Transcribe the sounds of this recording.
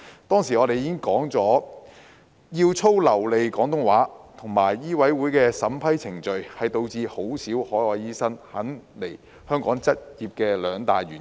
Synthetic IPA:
t̪ɔː˥ŋsiː˨˩ɔː˨˧ɾe˨jiɪ˥ŋkɔː˨˥ŋt͡sɔː˨˥ | jiː˧wt͡sʰo˥wlɐ˨˩wle˨jkɔː˨˥ŋt̪ʊ˥ŋwaː˨˥t̪ʰʊ˨˩ŋmaː˨˩jːiː˥wɐ˨˥jwuː˨˥jkɛː˧sɐ˨˥mpʰɐ˥jt͡sʰɪ˨˩ŋt͡ʃɵ˨ɥhɐ˨jt̪o˧wt͡siː˧ho˨˥wsiː˨˥whɔː˨˥jɔː˨˧˩jjiː˥sɐ˥ŋhɐ˨˥nle˨˩j | hœː˥ŋkɔː˨˥ŋt͡sɐ˥t̚jiː˨p̚kɛː˧lœː˨˧ŋt̪a̰ː˨jɥyː˨˩

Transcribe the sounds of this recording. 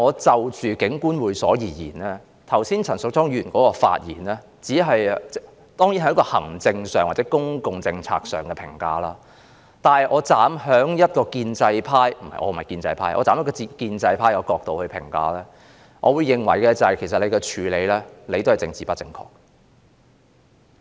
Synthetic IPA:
ŋɔː˨˧t͡sɐ˨˧wt͡ʃyː˨kɪ˨˥ŋkuː˥nwuː˨˧jsɔː˨˥jiː˨˩jḭː˨˩nɛː˥ | t̪ʰɐ˨˩wsiː˥nt͡sʰɐ˨˩nsʊ˨k̚tɔː˥ŋjyː˨˩nkɔː˨˥kɔː˧fa̰ː˧t̚jiː˨˩nɛː˥ | t͡siː˨˥ɦɐ˨jt͡sɛ˥ | t̪ɔː˥ŋjiː˧˥nhɐ˨˧˦jkɔː˧hɐ˨˩ŋt͡sɪ˧ŋsœː˨˩ŋwaː˨˩t͡sɛː˨˥kʊ˥ŋkʊ˨ŋt͡sɪ˧ŋt͡sʰa̰ː˧k̚sœː˨˩ŋkɛ˧pʰɪ˨˩ŋkaː˧laː˥ | t̪aː˨nhɐ˨jʔɔː˨˧t͡saː˨˥mɦœː˨˥ŋjɐ˥t̚kɔː˧kiː˧nt͡sɐ˧jpʰaː˥jm̩˨˩ma˨˩ʔɔ̰ː˨˧m̩˨˩˨ɐ˨˩jkiː˧nt͡sɐ̰˧jpʰaː˥jʔɔ̰ː˨˧t͡saː˨˥mjɐ˥kɔː˧i˧kiː˧nt͡sɐ˧jpʰaː˥jɔː˨˧kɔː˧k̚t̪o˧whɵ˧ɥpʰɪ̰˨˩ŋka̰ː˧lɛː˥ | ŋʔɔː˨˧wu˨˧jːɪ˨ŋwɐ̰˨˩jkɛː˧t͡sɐ˨jkʰe˨˩jsɐ˨le˨˧jkɛ˧t͡ʃʰyː˨˧le˨˧jlɛː˥le˨˧jt̪o˥whɐ˨jt͡sɪ˧ŋt͡siː˨pɐ˥t̚t͡sɪ˧ŋkʰɔ̰ː˧k̚

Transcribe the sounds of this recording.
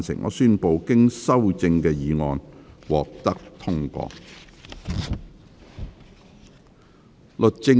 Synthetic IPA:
nsɪ̰˨˩ŋʔɔ̰ː˨˧syː˥npo˨˧wkɪ˥ŋsɐ˥wt͡sɪ˧ŋkɛː˧jiː˨˧ŋɔː˧nwɔː˨k̚t̪ɐ˥k̚t̪ʰʊ˥ŋkɔ̰ː˧k̚ | lɵ˨t̚t͡sɪ˧ŋ

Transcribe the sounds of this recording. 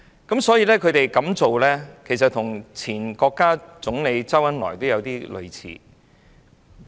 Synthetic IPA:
kɐ˨˥msɔː˨˥jiː˧˥lɛː˥kʰɵ˨˧ɥt̪e˨jkɐ˨˥mt͡so˨wlɛː˥kʰe˨˩js̬ɐ˨t̚t̪ʰʊ˨˩ŋt͡sʰiː˨˩nkɔː˧kːaː˥t͡sʊ˨˥ŋle˨˧jt͡sɐ˥wjɐ˨˥nlɔ̰ː˨˩jt̪o˥wjɐ˨˧wt̪iː˥lɵ̰˨˧ɥt͡sʰḭː˨˧

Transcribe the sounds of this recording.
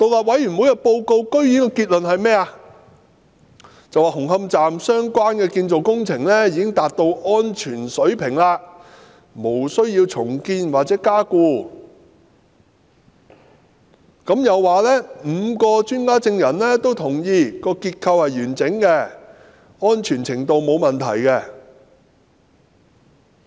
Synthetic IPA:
t̪o˨wlaː˨t̚wɐ˨˥jyː˨˩nwu˨˥jɐ˧t̚po˧wko˧wkɵ˥ɥji˨˥nkɔː˧kiː˧t̚lɵ˨nɦɐ˨jmɛː˥a˧ | t͡sɐ˨waː˨˩ɦʊ˨˩ŋɦɐ˧mt͡saː˨msœː˥ŋkʷwaː˥nkɛː˧kiː˧nt͡so˨wkʊ˥ŋt͡sʰɪ˨˩ŋlɛ˥jiː˧kɪ˥ŋt̪aː˨t̚t̪o˧wʔɔː˥nt͡ʃʰyː˨˩nsɵ˨˥ɥpʰɪ˨˩ŋlaː˧ | mo˨˩wsɵ˥ɥjiː˧wt͡sʰʊ˨˩ŋkiː˧nwaː˨t̚t͡sɛː˨˥kaː˥kuː˧ | kɐ˨˥mjɐ˨wːaː˨lɛ˥m̩ː˨˧kɔː˧t͡ʃyː˥nkaː˥t͡sɪ˧ŋjɐ˨˩nlɛ˥t̪o˥wt̪ʰʊ˨˩ŋjiː˧kɔː˧kiː˧t̚kʰɐ˧whɐ˨jɥyː˨˩nt͡sɪ˨˥ŋkɛ˧ | ɔː˥nt͡ʃʰyː˨˩nt͡sʰɪ˨˩ŋt̪o˧wmo˨˧wmɐ˨nt̪ʰɐ̰˨˩jkɛ˧

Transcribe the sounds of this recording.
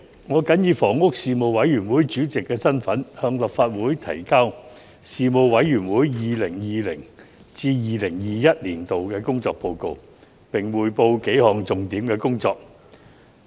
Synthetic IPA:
ŋɔː˨˧kɐ˨˥njiː˨˧fɔː˨˩ŋʊ˥k̚siː˨mo˨˧wwɐ˨˧˥jjyː˨˩nwuː˨˥jt͡ʃyː˨˥t͡sɪ˨kːɛː˧sɐ˥nfɐ˨˥nhœː˧ŋlɐ˨p̚faː˧t̚wuː˨˥jt̪ʰɐ̰˨˩jkaː˥w | siː˨mo˨˧wwɐ˨˥jjyː˨˩nwuː˨˥jjiː˨lɪ˨˩ŋjiː˨lɪ˨˩ŋ | t͡siː˧jiː˨lɪ˨˩ŋjiː˨jɐ˥t̚liː˨˩nt̪o˨wkɛː˧kʊ˥ŋt͡sɔː˧k̚po˧wko˧w | pɪ˨˩ŋwuː˨jpo˧wke˨˥jhɔː˨ŋt͡sʊ˨ŋt̪iː˨˥mkɛː˧kʊ˥ŋt͡sɔː˧k̚

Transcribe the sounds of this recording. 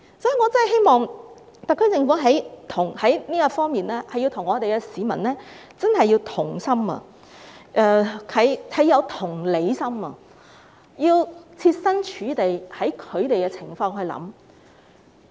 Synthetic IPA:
sɔː˨˥ji˨˧ŋɔ˨˧t͡sɐ˥nhɐ˨jɦe˥jmɔː˨˧ŋ | t̪ɐ˨kʰːɵ˧˥t͡sɪ˨˧ŋfu˨˥ɦɐ˨˥jt̪ʰʊ˨˩ŋhɐ˨˥jniː˥kɐ˧fɔː˥ŋmiː˨nlɛː˥hɐ˨jːi˧wt̪ʰʊ˨˩ŋɔː˨˧t̪e˨jkɛ˧siː˨˧mɐ̰˨˩nlɛː˥ | t͡sɐ˥nɦɐ˨jːi˧wt̪ʰʊ˨˩ŋsɐ˥mɐ̰ː˨ | ʔɛː˧kʰɐ˨˧jkʰɐ˨˧jɐ˨˧wt̪ʰʊ˨˩ŋle˨˧jsɐ˥mɐ˨ | jiː˧wt͡sʰiː˧t̚sɐ˥nt͡ʃʰyː˨˧˥t̪e˨jhɐ˨˥jkʰɵ˨˧ɥt̪e˨jkɛ˧t͡sʰɪ˨˩ŋfɔː˧ŋhɵ˧ɥlɐ̰˨˥m

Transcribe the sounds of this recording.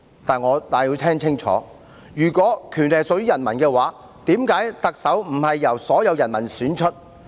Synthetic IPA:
t̪aː˨nŋɔː˨˧t̪aː˨jiː˧wt̪ʰɛː˥ŋt͡sʰɪ˥ŋt͡ʃʰɔ̰ː˨˥ | jyː˨˩kʷɔː˨˥kʰyː˨˩nlɛ˨jsɔ˨˧k̚jyː˥jɐ˨˩nmɐ˨˩nkɛː˧waː˨˧˥ | t̪iː˨˥mkaː˨˥jt̪ɐ˨k̚sɐ˨˥wm̩˨˩hɐ˨jːɐ˨˩wsɔː˨˥jɐ˨˧wjɐ˨˩nmɐ˨˩nsyː˨˥nt͡ʃʰɵ˥t̚

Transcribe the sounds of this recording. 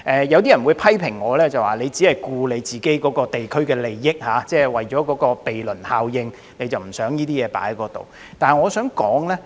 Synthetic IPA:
ʔɛː˨jɐ˧wt̪̬iː˥jɐ˨˩nwu˨˧jpʰɐ˥jpʰɪ˨˩ŋːɔː˨˧lɛː˥t͡sɐ˨waː˨˩le˨˧jt͡siː˨˥hɐ˨jkuː˧le˨˧jt͡siː˨ke˨˥jkɔː˨˥kɔː˧t̪e˨jkʰɵ˥ɥkɛː˧le˨jːɪ˥k̚haː˨˥t͡sɛː˥˧wɐ˨jt͡ʃɔː˨˥kɔː˨˥kɔː˧pe˨jlɵ˨˩nhaː˨wjɪ˧ŋ | ne˨˧jt͡sɐ˨wm̩˨˩sœː˨˥ŋjiː˥t̪iː˥jɛː˨˧pa̰ː˨˥jkɔː˧t̪o̰˨w | t̪aː˨nŋɔː˨˧sœː˨˥ŋkɔː˨˥ŋlɛː˥

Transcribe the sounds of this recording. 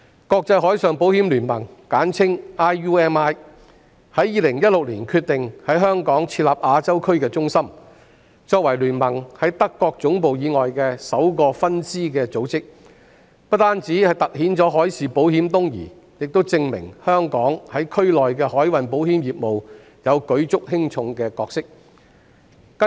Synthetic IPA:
kɔː˧k̚t͡sɐ˧jɦɔː˨˥jsœː˨ŋpo˨˥whiː˨˥mlyː˨˩nmɐ̰˨˩ŋkaː˨˥nt͡sʰɪ˥ŋaː˥juː˥ɛː˥naː˥j | hɐ˨˥jːiː˨˧lɪ˨˩ŋjɐ˥t̚lʊ˨k̚liː˨˩nkʰyː˧t̪ɪ˨ŋhɐ˨˥jɦœː˥ŋkɔː˨˥ŋt͡sʰiː˧t̚laː˨˩p̚ʔaː˧t͡sɐ˥wkʰɵ˥ɥkɛː˧t͡sʊ˥ŋsɐ˥m | t͡sɔː˧k̚wɐ˨˩jlyː˨˩nmɐ˨˩ŋhɐ˨˥jt̪ɐ˥kːɔː˧k̚t͡sʊ˨˥ŋpo˨wjiː˨˧ŋɔː˨jkɛː˧sɐ˨˥wkɔː˧fɐ˥nsiː˥kɛː˧t͡so˨˥wt͡sɪ˥k̚ | pɐ˥t̚t̪aː˥nt͡siː˨˥hɐ˨jt̪ɐ˨k̚hiː˨˥nt͡sɔː˨˥ɦɔː˨˥jsiː˨po˨˥whiː˨˥mt̪ʊ˥ŋjḭː˨˩ | jɪ˨k̚t̪o˥wt͡sɪ˧ŋmɪ̰˨˩ŋhœː˥ŋkɔː˨˥ŋhɐ˨˥jkʰɵ˥ɥlɔː˨jkɛː˧hɔː˨˥jwɐ˨˧npo˨˥whiː˨˥mjiː˨p̚mo˨w | jɐ˨˧wkɵ˨˥ɥt͡sʊ˥k̚hɪ˥ŋt͡sʰʊ˧ŋkɛː˧kɔː˧k̚sɪ˥k̚ | kɐ˥

